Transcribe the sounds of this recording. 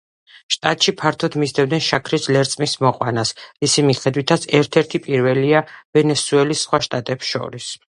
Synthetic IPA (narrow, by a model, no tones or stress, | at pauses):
ʃt̪ʼat̪ʼʃipʰaɾt̪ʰɔd̪mizd̪ɛvd̪nɛnʃakʰɾislɛɾt̪sʼmismɔqʼwanasɾisimiχɛd̪wit̪ʰat̪sʰɛɾt̪ʰɛɾt̪ʰipʼiɾvɛliavɛnɛsuɛlisχwaʃt̪ʼat̪ʼɛpsʃɔ̰ɾis